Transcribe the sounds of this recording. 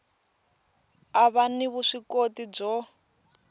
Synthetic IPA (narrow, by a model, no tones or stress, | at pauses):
aβaniβuʂikotib͡ʐɔ